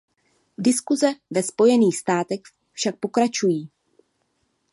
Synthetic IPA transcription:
dɪskuzɛvɛspo̞jɛniːxst̪aːt̪ɛx | fʃak̚po̞kɾat͡ʃujiː

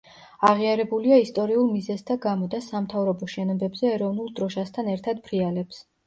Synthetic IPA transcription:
aʁiaɾɛbuliaist̪ʼɔɾiulˠmizɛsd̪ʰaɡamɔd̪asamt̪ʰavɾɔbɔʃɛnɔbɛbzɛːɾɔvnulˠd̪̥ɾɔʃast̪ʰanɛɾt̪ʰad̪pʰɾialɛps

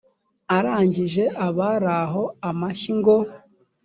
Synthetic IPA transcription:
aɾaːɲɟiʒe̞ʔaβaɾaɦo̞amaʃiŋɡo

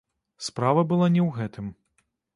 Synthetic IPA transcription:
spɾavɐbɨlˠanʲɛwɣɛt̪ʰɨm

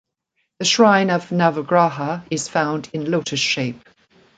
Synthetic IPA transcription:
ðəʃɹãɪ̃nəvnavəɡɹɑˑɦəɪz̥fãʊ̃ndɪ̃nloʊtʰə̥ʃeɪp̚

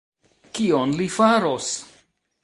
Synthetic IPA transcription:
kionlifaɾos

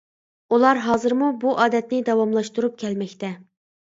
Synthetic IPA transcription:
ulˠɑɾɦɑːzɨɾmubuʔɑːd̪ɛt̪nɪd̪ɑwɑmlˠɑʃt̪uɾup̚kʲʰɛlmɛkʲt̪ʰɛ

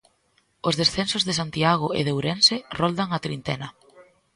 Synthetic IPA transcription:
ʊzðesθensozðɪsant̪iaɣʊḛðewɾensɪrɔld̪aŋat̪ɾint̪ɛnɐ

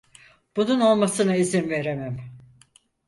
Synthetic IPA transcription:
b̥ununo̞lˠmasɯnaizinve̞ɾemæm

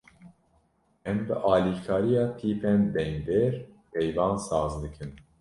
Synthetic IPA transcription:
ɛmbɨʔɑːlikʰɑːɾijɑːpʰiːpʰɛnd̪ɛŋd̪eɾ | pʰɛjvɑːnsɑːzd̪ɨkʰɨn

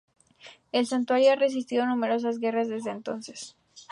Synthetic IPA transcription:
e̞lsant̪waɾjoare̞s̬is̬t̪iðo̞nume̞ɾo̞s̬azɣe̞razðe̞zðeːnt̪o̞nse̞̥s

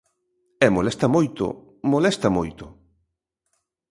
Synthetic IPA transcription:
ɛmolɛst̪ɐmojt̪ʊ̰ | molɛst̪ɐmojt̪ʊ

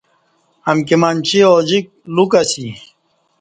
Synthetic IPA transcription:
ɐmkimant͡ɕiod͡ʑik̚lukɐsi

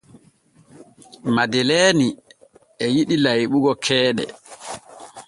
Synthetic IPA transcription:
madɛleːni | ɛjiɗilajɓuɡɔkʰɛːɗɛ̰

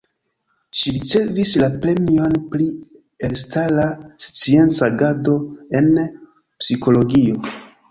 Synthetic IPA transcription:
ʃiɾit͡se̞vislapɾe̞mio̞npli | e̞lstalast͡sie̞nt͡saɡado̞e̞n | psiko̞lo̞ɡio̞

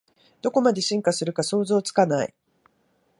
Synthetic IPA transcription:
d̪̥o̞ko̞mad̪e̞ɕĩŋkasɨɾɯ̟kaso̞ːzo̞ːt͡sɨ̥kanaḭ

